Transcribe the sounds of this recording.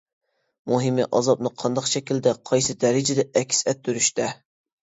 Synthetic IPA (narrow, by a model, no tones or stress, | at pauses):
moɦɪmɪʔɑzɑp̚nɨqʰɑnd̪ɑqʃɛkʲild̪ɛqʰɑjsɨd̪ɛɾɪd͡ʒɪd̪ɛɛkʲʰsɛt̪ʰːyɾyʃt̪ɛ